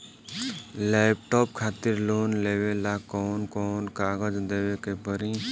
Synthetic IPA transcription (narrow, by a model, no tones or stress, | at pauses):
lɛp̚ʈɔːp̚kʰat̪iɾloːnlewelakɔːnkɔːnkaɡəd͡ʒd̪ewekebəɾi